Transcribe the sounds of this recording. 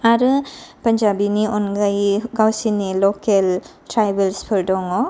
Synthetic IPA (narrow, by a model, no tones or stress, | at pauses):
aɾpɐɲd͡ʒaːbiniʔɔnɡajɡawsiniloːkelʈɾajbelspʰəɾɖɔŋo